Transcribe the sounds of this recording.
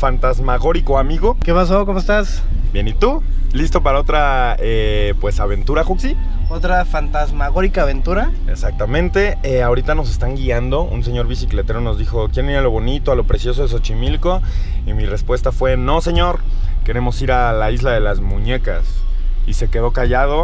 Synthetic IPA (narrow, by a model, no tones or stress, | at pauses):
fant̪azmaɣo̞ɾiko̞amiɣo̞kepas̬ako̞moest̪as | bjenit̪u | list̪o̞paɾao̞t̪ɾa | epwe̞saβe̞nt̪uɾaxuksi | ot̪ɾafant̪azmaɣoɾikaːβe̞nt̪uɾa | e̞sak̚t̪amẽ̞nt̪e̞ | eao̞ɾit̪ano̞s̬e̞st̪aŋɡiand̪oʔṵnse̞ɲo̞ɾβisikle̞t̪e̞ɾo̞no̞zðixo̞kjeɾeniɾaloβo̞nit̪oalo̞pɾe̞sjo̞s̬o̞ðes̬ot͡ʃimilko̞imire̞spwe̞st̪afwe̞no̞se̞ɲo̞ɾ | ke̞ɾe̞mo̞siɾalaizlaðe̞lazmũɲe̞kasise̞ke̞ðo̞kaʝað̞o̞